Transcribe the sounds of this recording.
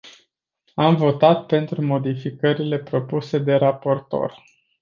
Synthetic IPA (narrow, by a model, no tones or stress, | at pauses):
amvo̞t̪at̪̚pe̞nt̪ɾumo̞d̪ifikəɾile̞pɾo̞puse̞d̪e̞ɾapo̞rt̪o̞̰r